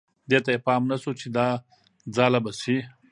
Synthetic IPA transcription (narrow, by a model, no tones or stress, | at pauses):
d̪et̪ajepɑːmnasot͡ʃʰed̪a | d͡zalabasi